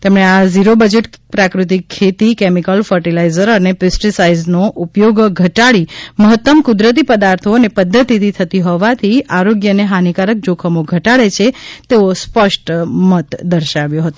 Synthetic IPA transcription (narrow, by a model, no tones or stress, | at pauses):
t̪emɳ̃eaziɾobəd͡ʒeʈpɾakɾut̪ikʰːet̪ikemikəlfəɾʈilaizəɾənepɪsʈisaiznoʔupjoɡɡʱəʈaɭiməɦət̪ːəmkud̪ɾət̪̬ipəd̪aɾt̪ʰoənepəd̪ʱːət̪it̪ʰit̪ʰət̪iɦɔʋat̪ʰiaɾoɡjəneɦanikaɾək̚d͡ʒokʰəmoɡʱəʈaɭet͡ʃʰet̪eospəʃʈmət̪d̪əɾʃaʋjoɦət̪o